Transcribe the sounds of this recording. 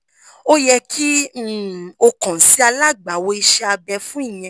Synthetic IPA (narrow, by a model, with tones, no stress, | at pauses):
o˦jɛ˦kʰi˦˨ | o˧kã˨si˦a˧la˦ɡ͡ba˨wo˧i˧ʃɛ˦a˧bɛ˧fũ˦i˦˨j̃ɛ̃˧˦